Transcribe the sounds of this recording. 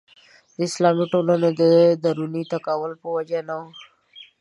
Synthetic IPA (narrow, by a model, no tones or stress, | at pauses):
d̪əɪslɑmiʈolaned̪əd̪aɾunit̪akaːwəlpəwad͡ʒanao